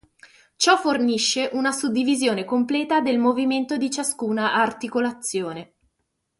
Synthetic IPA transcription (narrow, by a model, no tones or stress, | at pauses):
t͡ʃɔforniʃːeʔunasud̪ːivizjoːnekomplɛːt̪ad̪elmoviment̪od̪it͡ʃaskuːnaʔːrt̪ikolat̪sːjoːne